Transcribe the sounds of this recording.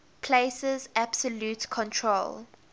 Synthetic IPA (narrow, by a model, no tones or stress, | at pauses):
pʰleɪsəzab̥səljutkʰɔ̃ntʰɹol